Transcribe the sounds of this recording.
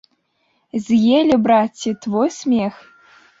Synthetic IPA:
zʲjelʲɘbratʲːit̪vojsʲmʲex

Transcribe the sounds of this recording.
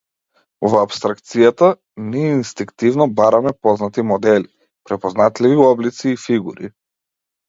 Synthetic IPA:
vapst̪ɾakt̪sijat̪a | niɛinst̪iŋkt̪ivnɔbaɾamɛpɔznat̪imɔd̪ɛli | pɾɛpɔznat̪liviɔblit̪siːfiɡuɾi

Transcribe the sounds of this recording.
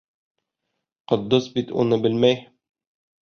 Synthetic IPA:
qŏd̪ːɤsbit̪ṵnɤbɘlmæj

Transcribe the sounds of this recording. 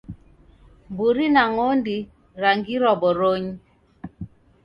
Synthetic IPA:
mbuɾinaŋondi | ɾaŋɡiɾɔbɔɾoɲ

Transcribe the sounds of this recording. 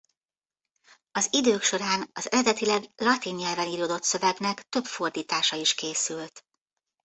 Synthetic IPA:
ɒzid̪øːkʃo̞ɾaːnɒzɛɾɛd̪ɛt̪ilɛɡlɒt̪iɲɲɛlvɛniːɾoːd̪o̞t̪sø̞vɛɡnɛkt̪ø̞pfo̞rd̪iːt̪aːʃɒiʃkeːsylt̪

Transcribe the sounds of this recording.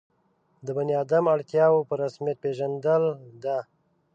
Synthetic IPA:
d̪əbanijɑd̪amaɽt̪jɑwopəɾasmijat̪̚peʒand̪əld̪a

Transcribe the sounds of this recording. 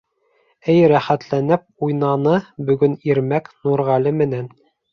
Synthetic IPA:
ɘjɾæχæt̪lænɘp̚ujnɑnɤbɵ̆ɡɵniɾmæknuɾʁɑlɘmɘ̆næn

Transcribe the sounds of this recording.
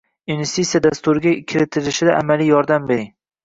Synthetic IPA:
invest̪it̪sijad̪ast̪ʊɾɪɡʲakʲʰɪɾɪt̪ʰɪɾɪʃɪd̪aʔamalijjɒɾd̪ambeɾɪŋ

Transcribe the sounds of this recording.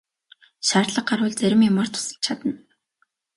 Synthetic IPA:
ʃaːrɮə̆q̚ɢarwʊ̆ːɮt͡sæɾʲɪ̆mjʊmaːr̥t̪ʰʊ̥sə̆ɮt͡ɕʰat̪ə̆n

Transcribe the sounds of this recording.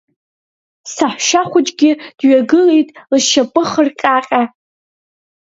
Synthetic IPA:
saħʷʃaχʷʊt͡ʃʼɡʲɪd̥ɥaɡɨlejtʼlɨʃapʼɨχərkʲʼaqʲʼa

